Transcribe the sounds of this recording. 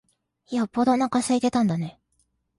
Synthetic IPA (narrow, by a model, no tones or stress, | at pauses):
jopːod̪onakasait̪e̞t̪ãnd̪ane̞